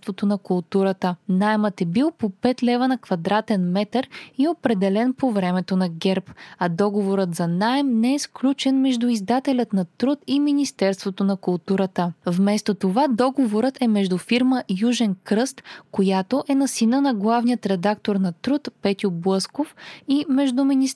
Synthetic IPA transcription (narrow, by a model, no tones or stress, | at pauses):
t̪vot̪onɐkʊlˠt̪uɾət̪ənajɛmət̪ɛbilˠpopɛt̪lɛvənɐkvɐd̪ɾat̪ɛnmɛt̪əɾiopɾɛd̪ɛlɛnpovɾɛmɛt̪onɐɡɛɾpɐd̪ɔɡovoɾət̪zɐnaɛmnɛɛsklʲut͡ʃɛnmɛʒd̪ʊizd̪at̪ɛlʲɐt̪nɐt̪ɾut̪iminist̪ɛɾst̪vot̪onɐkʊlˠt̪uɾət̪əvmɛst̪ot̪ovad̪ɔɡovoɾət̪ʰɛmɛʒd̪ʊfiɾməʔijuʒɛnkɾɤst̪kojat̪oʔɛnɐsinənɐɡlˠavnijət̪ɾɛd̪akt̪oɾnɐt̪ɾut̪pɛt̪ʲjʊblˠɤskofimɛʒd̪ʊminis